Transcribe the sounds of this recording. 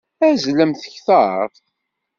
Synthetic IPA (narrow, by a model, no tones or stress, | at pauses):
æzləmθəçθəɾˤfθ